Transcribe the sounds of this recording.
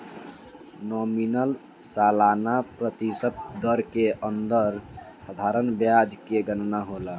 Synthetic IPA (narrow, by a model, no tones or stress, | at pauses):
nɔminəl | salanapɾət̪isəp̚d̪əɾkeʔənd̪əɾsad̪ʱaɾənbjad͡ʒkeɡənnaɦolə